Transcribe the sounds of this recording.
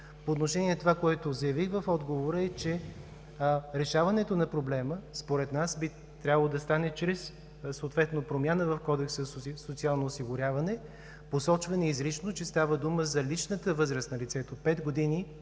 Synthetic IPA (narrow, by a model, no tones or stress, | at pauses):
poːt̪noʃɛnʲiɛt̪ovakoɛt̪ozɐjɐvixvɐfɔd̪ɡovoɾəɛt͡ʃɛ | ɾɛʃavɐnɛt̪onɐpɾoblɛməspoɾɛt̪nasbi | t̪ɾʲabəlˠod̪ɐst̪anɛt͡ʃɾɛs | soːt̪vɛt̪nopɾomʲjanəvɐfkɔd̪ɛksəsot̪sialˠnoːsiɡʊɾʲjavɐnɛ | posɔt͡ʃvɐnɛizɾit͡ʃnot͡ʃɛst̪avəd̪uməzɐlit͡ʃnət̪əvɤzɾəsnɐlit̪sɛt̪opɛt̪ɡod̪ini